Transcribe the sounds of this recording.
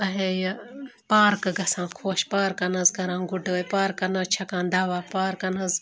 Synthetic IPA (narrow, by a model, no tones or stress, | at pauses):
ɐɦejpaːɾkɐɡʱɐsãːkʰoːʃpaːɾkɐnɐzɡʱɐɾãːɡʊɖəːjpaːɾkɐnɐt͡ʃʰɐkãːnd̪aːʋaːpaːɾkɐnɐz